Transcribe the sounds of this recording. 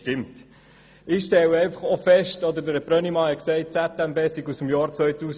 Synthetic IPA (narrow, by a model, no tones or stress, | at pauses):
tɪmt | ɪʃtɛwəɛɪnfɑχofɛʃtɔd̪əɾd̪əɾəpɾœnimɑhɛksɛɪt̚t͡sæt̪æmbeːsiɡusəm̩jɑːɾt͡sʋœʏtuːs